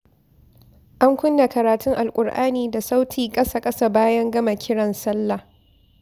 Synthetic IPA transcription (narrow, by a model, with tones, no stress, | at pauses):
ʔa˦ŋkʷʊ˦nːa˨kɐ˨ɾaː˨tʰʊ˦ŋʔa˨lkʷʼʊ˨ɽʔa̰ː˦niː˨da˨sa˦wtʰiː˨kʼɐ˦sa˨kʼɐ˦sa˦baː˦jɐ˦ŋɡɐ˦ma˨kʲʰɪ˦ɽɐ˨nsɐ˦lːa˨